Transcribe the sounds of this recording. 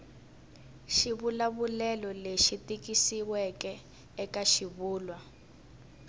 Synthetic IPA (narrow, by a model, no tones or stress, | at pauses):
ʃiβulaβulɛlɔleʃitikisiwɛkɛː | kaʃiβuːlwa